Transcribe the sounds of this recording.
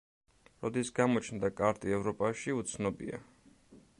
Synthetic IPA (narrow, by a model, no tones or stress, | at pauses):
ɾɔd̪isɡamɔt͡ʃʰnd̪akʼaɾt̪ʼiɛvɾɔpʼaʃiut̪sʰnɔbḭa̰